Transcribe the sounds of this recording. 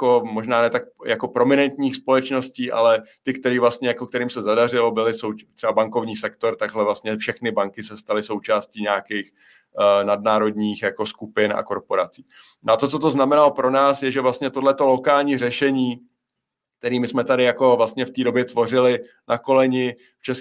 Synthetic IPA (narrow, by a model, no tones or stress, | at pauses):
jakomo̞ʒnaːnɛːt̪ak̚jako̞pɾo̞mɪnɛnt̪ɲiːxspo̞lɛt͡ʃno̞sciːʔa̰lɛt̪ɪkt̪ɛɾiːvlast̪ɲɛjakok̚t̪ɛɾiːmsɛzadar̝ɪlo̞bɪlɪsowt̪r̥ɛbabaŋko̞vɲiːsɛkt̪o̞ɾt̪aɡɦlɛvlast̪ɲɛfʃɛxnɪbaŋkɪsɛst̪alɪso̞wt͡ʃaːsciːɲaːkix | nadnaːɾo̞dɲiːxjako̞skupɪnʔa̰ko̞ɾpo̞ɾat͡si̥ː | no̰at̪o̞t͡so̞t̪̬o̞znamɛnalopɾo̞naːsjɛʒɛvlast̪ɲɛt̪odlɛt̪o̞lo̞kaːlɲiːrɛʃɛɲiː | k̚t̪ɛɾiːmɪsmɛt̪adɪjako̞vlast̪̚ɲɛft̪iːdobjɛt̪vo̞r̝ɪlɪ | nako̞lɛɲɪ | ft͡ʃɛs